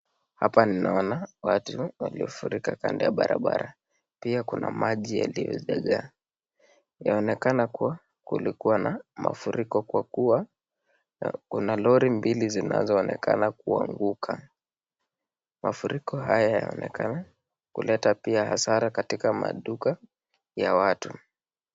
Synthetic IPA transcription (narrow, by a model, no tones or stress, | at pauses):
hapaninaɔnawatuwaliɔfuɾikaka̰ndɛjaɓaɾaɓa̰ɾa | piakunamaʄija̰lijɔ̰ʄaɠa | jaɔnɛkanakuwa | kṵlikuwanama̰fuɾikɔkwakuwa | kunalɔɾimbilizina̰zɔːnɛka̰nak̚uaŋɡukʰa | mafuɾʔikɔɦajajaɔnɛkana | kulʔɛtapiahasaɾakatikama̰ɗuka | jawatu